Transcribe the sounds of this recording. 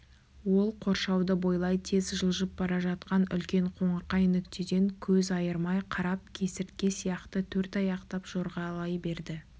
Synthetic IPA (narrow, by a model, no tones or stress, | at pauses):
wo̞lˠqʰo̞ɾʃɑwd̪əbo̞jlˠɑjt̪ʰe̞zʒəlˠʒəp̚bɑɾɑʒɑt̪qɑnʏ̰lkʲe̞ɴqʰo̞ɴəqːɑjʏnɪkt̪ed̪e̞ŋkʲʰɵzɑjəɾmɑjqʰɑɾɑp̚kʲʰe̞sɪɾt̪̚kʲe̞sijɑqt̪ət̪ʰɵɾt̪ɑjɑqt̪ɑpʒ̥o̞ɾʁɑlˠɑjbe̞ɾd̪ɪ